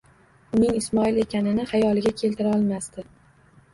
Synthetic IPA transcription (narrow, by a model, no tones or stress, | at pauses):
ʊnɪŋɪsmɒɪle̞kʲanɪnɪhajɒlɪɡʲakʲʰe̞lt̪ɪɾaɒlˠmast̪ɪ